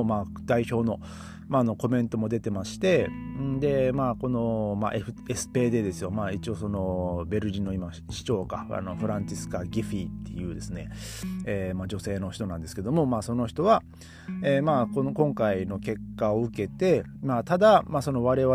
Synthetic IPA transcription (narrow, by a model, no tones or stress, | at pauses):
maː | d̪aiço̞ːno̞ | maːno̞ko̞mẽ̞nt̪o̞mo̞d̪e̞t̪e̞maɕi̥t̪ẽ̞d̪e̞maːko̞no̞ma̰ʔeɸɯ̟esɨ̥pe̞ːd̪e̞d̪e̞sɨjo̞maːit͡ɕio̞so̞no̞be̞ɾɯ̟ʑino̞ima | ɕi̥t͡ɕo̞ːka̰a̰no̞ɸɯ̟ɾãɲt͡ɕisɨ̥kaɡʲiɸit̪ːe̞jɯ̟ːd̪e̞sɨne̞eːmad͡ʑo̞se̞ːno̞çi̥t̪o̞nãnd̪e̞sɨ̥ke̞d̪o̞mo̞maːso̞no̞çi̥t̪o̞βa | eːmakonkõ̞ŋkaino̞ke̞kːaoɯ̟ke̞t̪e̞mat̪ad̪amaso̞no̞βaɾe̞βa